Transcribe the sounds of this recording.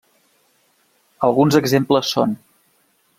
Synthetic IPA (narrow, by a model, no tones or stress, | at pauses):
əlˠɣunzəɡzempləsːo̰n